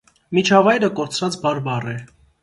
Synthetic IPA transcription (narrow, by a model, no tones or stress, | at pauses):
mit͡ʃʰɑvɑjɾəkɔɾt͡sʰɾɑt͡sbɑɾbɑrɛ